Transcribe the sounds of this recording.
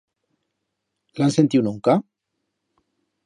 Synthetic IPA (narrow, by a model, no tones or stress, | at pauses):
lansent̪iwnuŋka